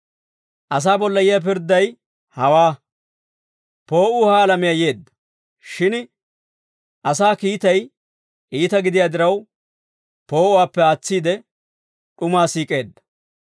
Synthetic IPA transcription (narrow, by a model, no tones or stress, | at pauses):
ʔɐs̬aːbɔlːɐjɪjɐp̬ɪɾd̪ːɐj | hɐwaː | po̞ːʔʊːhaːlɐmɪjɐje̞ːd̪ːɐ̥ | ʃɪn | ʔɐsaːkiːt̪ɐj | ʔiːt̪ɐɡɪd̪ɪjaːd̪ɪɾɐw | po̞ːʔʊwaːpːɛaːt͡sːiːd̪ɛ | ᶑʊmaːsiːkʼe̞ːd̪ːɐ̥